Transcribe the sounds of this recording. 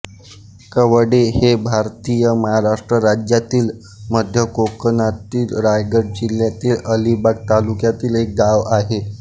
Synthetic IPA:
kəʋɽehebʱaɾt̪ijəməɦaɾaʂʈɾəɾad͡ʑjat̪iːl | məd̪ʱjəkokənat̪iːlɾajɡəɽ̚d͡ʑiljat̪iːləlibaɡ̚t̪alukjat̪iːlek̚ɡaʋaɦe

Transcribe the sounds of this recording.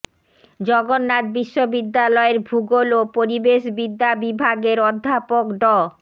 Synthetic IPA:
d͡ʑɔɡonːat̪̚biʃːobid̪ːalɔeɾbʱuɡolopoɾibeʃbid̪ːabibʱaɡeɾɔd̪ʱːapokɖɔ

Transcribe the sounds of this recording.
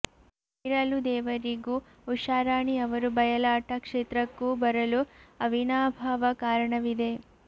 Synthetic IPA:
iɾɐlud̪ɛːʋɐɾiɡu | uʃaːɾaːɳiɐʋɐɾubɐjɐlaːʈɐkʂeːt̪ɾɐkːuːbɐɾɐluɐʋinaːbʱaːʋɐkaːɾɐɳɐʋid̪e̞

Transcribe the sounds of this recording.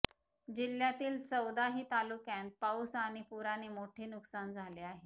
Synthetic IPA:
d͡ʑiljat̪iːlt͡səwd̪aɦiːt̪alukjãnt̪̚pawsaɽ̃ipuɾaɽ̃imoʈʰeːnuksand͡zʱaleaɦe

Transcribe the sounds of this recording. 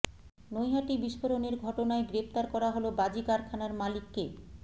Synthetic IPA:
nojɦaʈibiʃfoɾoneɾɡʱɔʈonaeɡɾept̪aɾkɔɾaɦolobad͡ʑikaɾkʰanaɾmalikːe

